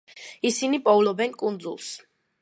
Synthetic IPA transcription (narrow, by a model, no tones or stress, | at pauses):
isinipʼɔvlɔbɛnkʼund̪zṵlˠs